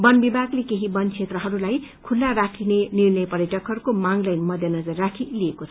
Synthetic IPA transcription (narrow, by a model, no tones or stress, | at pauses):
bʌnbibʱaɡlekeɦibʌnt͡sʰet̪rʌɦʌɾulajkʰulːaɾakʰinenirnʌjpʌɾjʌʈʌkɦʌɾukomaŋlajnmʌd̪ʱjʌnʌd͡zʌrrːakʰiliekot͡sʰ